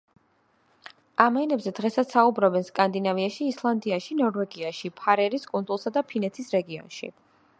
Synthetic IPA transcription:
amɛnɛbzɛd̪ʁɛsat̪saubɾɔbɛnskʼand̪inaviaʃiːslˠand̪iaʃinɔɾvɛɡiaʃipʰaɾɛɾiskʼund̪zʼulˠsad̪apʰinɛt̪ʰisɾɛɡiɔ̰nʃḭ

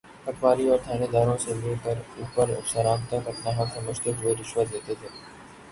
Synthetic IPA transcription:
hɐkʋaːɾiɔːɾt̪ʰaːned̪aːɾõseleːkəɐɾʊpəɾʊ̰psəɾãːmt̪əkɐpnaɦɐksɐməd͡ʒʱt̪ekoeɾɪʃwət̪eːt̪et̪ʰeː

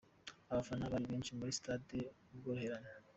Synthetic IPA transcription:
aβafanaβaɾiβiːnʃimuɾisi̥taːde | ubɡoɾuheɾana

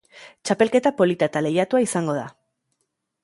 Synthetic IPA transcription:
t͡ʃape̞lke̞t̪apo̞lit̪aet̪ale̞jat̪uaisaŋɡo̞ð̞a

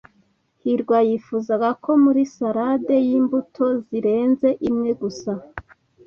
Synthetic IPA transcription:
hiɾɡwajifuzaɡakʰo̞muɾisaɾade̞jiːmbutʰo̞ziɾe̞ːnzeʔimŋe̞ɡusa

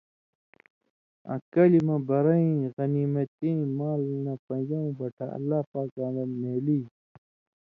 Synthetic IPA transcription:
ɐ̰̃kɐlimɐ̃bɐɾɐĩɣɐniːmɐt̪ĩːmaːlnɐpɐ̃nd͡ʑɐũbɐʈʰaɐ̰lːaːpaːkãːnɐmeːliː

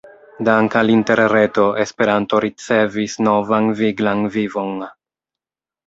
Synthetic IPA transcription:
daŋkalinte̞ɾɾe̞to̞ʔespe̞ɾanto̞ɾit͡se̞visno̞vanviɡlanvivo̞n

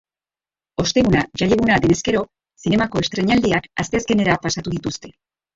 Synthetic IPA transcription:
o̞st̪e̞ɣunaʝaʎeɣunaðe̞ne̞ske̞ɾo̞ | sine̞mako̞e̞st̪ɾe̞ɲald̪iakast̪e̞aske̞ne̞ɾapasat̪uðit̪ust̪e̞

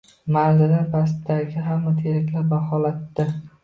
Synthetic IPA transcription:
maɾzɪnɪpʰast̪d̪aɡʲɪɦamːat̪ʰeɾɪkʲlɪbahɒlat̪ːɪ

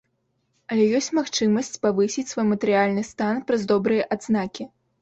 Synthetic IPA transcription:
ɐlʲɛjɔsʲt͡sʲmaxt͡ʂɨmɐsʲt͡sʲpavɨsʲit͡sʲsvɔjmɐt̪ɛɾɨjalʲnɨst̪anpɾɐzd̪ɔbɾɨjɐʔad̪znakʲi

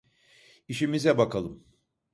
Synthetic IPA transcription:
iʃimizɛbakʰalˠɯm

